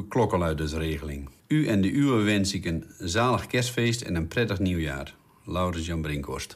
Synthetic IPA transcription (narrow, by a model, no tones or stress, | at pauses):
klɔkəlœɥdəsreːɣəlɪŋyʔɛndəʔyəʋɛnsɪkənzaːləxkɛrsfeːstɛ̰nənprɛtəxniwja̰ːr | lawrəzjɔnbrɪŋkʰɔ̰rst